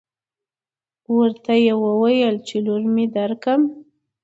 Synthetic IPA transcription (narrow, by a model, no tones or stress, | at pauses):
wəɾt̪ajewəwajəlt͡ʃeluɾmid̪aɾkəm